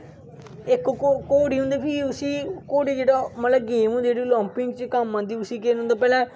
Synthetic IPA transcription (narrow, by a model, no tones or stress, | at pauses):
ɪkkokoːɽiːɦʊ̃nd̪eːpʰiːʊsiːkoːɽiːd͡ʒeːɽaːmət̪ləb̚ɡeːmũːd͡ʒeːɽiːlɔ̃ːmpɪ̃ŋɡt͡ʃkamːãːd̪iːʊsiːkeːnɦʊ̃nd̪aːpɛːlɛ̃ː